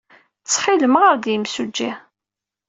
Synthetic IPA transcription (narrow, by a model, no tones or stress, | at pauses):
t͡sːˤħiləməʁəɾd̪jəmsud͡ʒːi